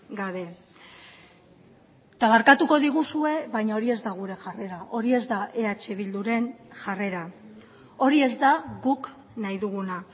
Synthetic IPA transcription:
ɡaβe̞ | t̪aβaɾkat̪uko̞ðiɣ̞usue̞βajɲao̞ɾie̞zd̪aɣ̞uɾe̞ʝare̞ɾaʔo̞ɾie̞zd̪aʔe̞at͡ʃe̞β̞ild̪uɾe̞nʝare̞ɾa | o̞ɾie̞zd̪aɣuk | najðuɣuna

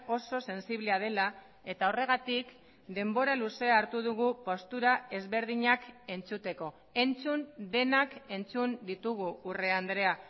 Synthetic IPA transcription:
o̞so̞se̞nsiβle̞að̞e̞la | e̞t̪aore̞ɣ̞at̪ik | d̪e̞mbo̞ɾaluse̞aːɾt̪uð̞uɣ̞upo̞st̪uɾae̞zβe̞ɾð̞iɲake̞nt͡sut̪e̞ko̞ | e̞nt͡sund̪e̞nake̞nt͡sund̪it̪uɣ̞uːre̞and̪ɾe̞a

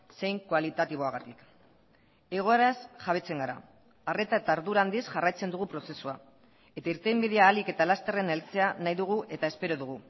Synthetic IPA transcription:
se̞jŋkoalit̪at̪iβ̞o̞aɣat̪ik | e̞ɣ̞o̞e̞ɾasʝaβ̞e̞t͡se̞ŋɡaɾaː | re̞t̪aet̪aɾðuɾand̪isʝarajt͡se̞nd̪uɣ̞upɾo̞se̞sua | e̞t̪aiɾt̪embiðeaːlike̞t̪alast̪e̞re̞nelt͡se̞anajðuɣ̞uʔe̞t̪ae̞spe̞ɾo̞ðuɣu

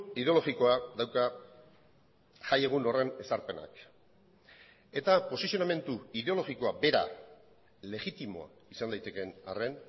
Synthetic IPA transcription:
ið̞eo̞lo̞ɣiko̞adawka | ʝaje̞ɣ̞uno̞re̞ne̞saɾpe̞na̰k | e̞t̪apo̞sisio̞name̞nt̪uið̞e̞o̞lo̞ɣiko̞abe̞ɾa̰ | le̞ɣit̪imo̞̰a̰ | isand̪ajt̪e̞ke̞na̰re̞n

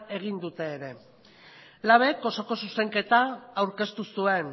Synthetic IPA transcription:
e̞ɣ̞ind̪ut̪e̞ːɾe̞ | laβ̞e̞ko̞so̞ko̞suse̞ŋke̞t̪aːwɾke̞st̪usue̞n

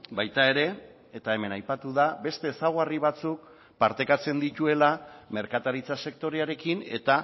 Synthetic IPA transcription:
bajt̪ae̞ɾe̞ː | t̪ae̞me̞najpat̪uðabe̞st̪e̞ːsaɣariβ̞at͡suk̚ | paɾt̪e̞kat͡se̞nd̪it̪ue̞lame̞ɾkat̪aɾit͡sase̞k̚t̪o̞ɾeaɾe̞kine̞̰t̪a

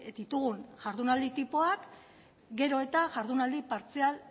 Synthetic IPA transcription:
d̪it̪uɣunʝaɾðunald̪it̪ipo̞ak | ɡe̞ɾo̞e̞t̪aʝaɾðunald̪ipaɾt͡sial

